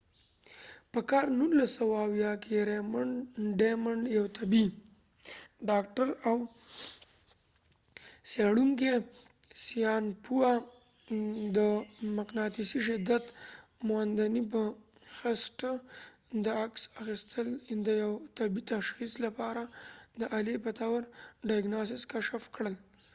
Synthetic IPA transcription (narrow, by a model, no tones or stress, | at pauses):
pəkɑɾnulːasːawaːwjɑkeɾemaɳɖemaɳɖjawt̪ʰabi | ɖɑkʈaɾaw | seɽuŋkesijɑnpua | d̪əmaqnɑt̪isiʃɪd̪ːat̪mowand̪anipəxɪsʈə | d̪əaksaxist̪ʰəld̪əjawt̪abit̪aʃxislapɑɾad̪əʔalepət̪awaɾɖajɡnas̬ɪskaʃafkɽəl